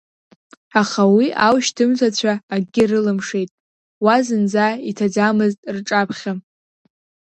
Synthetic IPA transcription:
aχawiʔawʃtʰɨmtʰat͡ɕʷʰaːɡɡʲɪrɨlɨmʂejtʼ | wazɨnd͡zaitʰad͡zamɨztʼrʈ͡ʂʼapʰχʲa

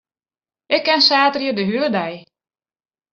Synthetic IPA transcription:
ʔɪkːɛnsaːtərjədəɦyədɛj

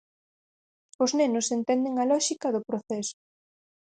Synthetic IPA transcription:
ʊznenʊsent̪ɛnd̪eŋɐlɔʃikɐðopɾoθɛsʊ̥

